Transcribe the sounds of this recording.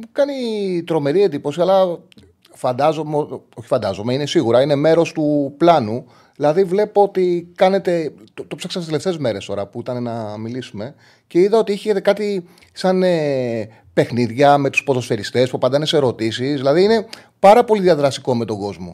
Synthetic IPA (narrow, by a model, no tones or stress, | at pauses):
kɐnit̪ɾo̞me̞ɾiend̪ipo̞siɐlɐ | fɐnd̪ɐzomo̞çi̥fɐnd̪ɐzo̞meine̞siɣuɾɐine̞me̞ɾo̞st̪uplɐnu | ðilɐðivle̞poot̪ikɐne̞t̪e̞t̪ot̪opsɐksɐst̪eeft̪eːzme̞ɾe̞st̪o̞ɾɐpuit̪ɐne̞nɐmilisume̞ | ce̞iðɐo̞t̪ieçet̪e̞kɐt̪i | sɐne | pe̞xniðʝɐme̞t̪u̥spo̞ðo̞sfeɾist̪e̞spupɐd̪ɐneseɾo̞t̪isisðilɐðiine̞ | pɐɾɐpo̞liðiɐðɾɐst̪iko̞me̞t̪o̞ŋɡo̞zmo̞̰